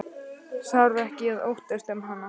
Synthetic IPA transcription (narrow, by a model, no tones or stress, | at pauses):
sawɾvɛhcɪɛðo̰wht̪ɛst̪ɛmɦanːa